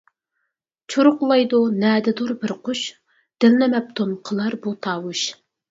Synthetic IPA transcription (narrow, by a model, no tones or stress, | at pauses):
t͡ʃʰoɾʊqlˠɑjd̪unɛːd̪ɪd̪uɾbɪɾqʰʊʃ | d̪̥ɪlnɪmɛp̚t̪ʰonqʰəlˠɑɾbut̪ʰɑːwuʃ